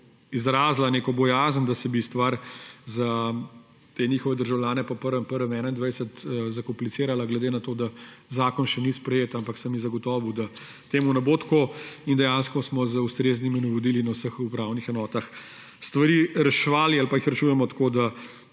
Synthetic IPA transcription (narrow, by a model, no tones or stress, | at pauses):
izɾaːzlaneːkɔbɔjaːzənd̪asɛbist̪ʋaɾza | t̪eːnixɔʋɛd̪əɾʒawljaːnɛpɔpəɾʋɛmpəɾʋɛmɛːnaind̪ʋɛjsət̪zakɔmplit̪seːɾalaɡlɛd̪eːnat̪oːd̪a | zaːkɔnʃɛnispɾɛjeːt̪ampaksəmjizɐɡɔt̪ɔːʋud̪a | t̪eːmunɛbot̪ḁkoind̪ɛjanskɔsmɔzəust̪ɾeːzniminɔʋɔd̪ilinawsəxupɾawnixɛnɔːt̪ax | st̪ʋɐɾiɾɛʃʋaːlialpaixɾɛt͡ʃuːjɛmɔt̪kod̪a